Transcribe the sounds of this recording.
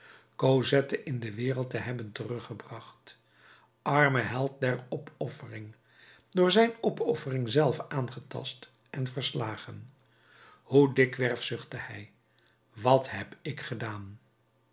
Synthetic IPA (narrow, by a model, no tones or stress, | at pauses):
kozɛtəʔɪndəʋɪːʁəlˠtəɦɛbəntərɵχəbrɑχt | ʔɑɹməɦɛlˠt̚dɛɹɔpɔfərɪŋ | dʊːɹzɛjnɔpʰɔfərɪŋzɛlˠfaːnχətɑ̰st | ʔɛnvəɹslaːχən | hudɪkʋɛɹfsʏχtəhɛj | ʋɑthɛpɪkχədaːn